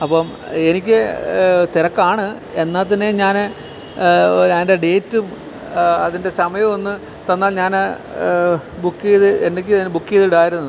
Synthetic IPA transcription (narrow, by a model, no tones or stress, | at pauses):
ɐpːɐm | e̞nikʲːɨt̪irɐkːaːɳɨ | e̞nːaːt̪̬ːɐnːeɲaːn | ɲaːnde̞ɖe̞ːtːɨ | ɐðinde̞sɐmɐjɐmonːɨ | t̪ɐnːaːlɲaːn | bukːijɐðɨendekʲːɨinːɨbukːijɐðuɽaːjiɾunːɐðɨ